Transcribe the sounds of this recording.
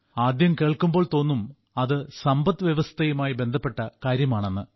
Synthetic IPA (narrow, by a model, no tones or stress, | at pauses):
aːd̪jɐmke̞ːɭkumbo̞ːɭt̪o̞ːnːum | ɐðɨsɐmbɐt̪ːɨʋjɐʋɐst̪ʰɐjumaːjibe̞nd̪ʱɐpːe̞ʈːɐkaːɾjɐmaːɳenːɨ